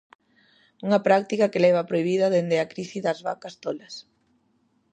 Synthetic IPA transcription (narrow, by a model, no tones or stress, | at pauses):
uŋɐpɾak̚t̪ikɐkelɛβ̞ɐpɾoiβ̞iðɐðend̪eɐkɾiθiðɐzβa̰kast̪olɐs